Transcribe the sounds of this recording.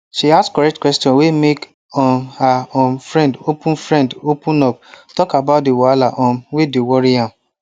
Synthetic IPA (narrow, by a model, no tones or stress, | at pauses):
ʃiaskɔɹɛk̚tkwɛstjɔ̃wemek | ɔ̃nhaõnfɹɛ̃ndopũnfɹɛ̃ndopũnɔp̚tɔkabat̚dewalaʔɔ̃nwedewɔɾiãm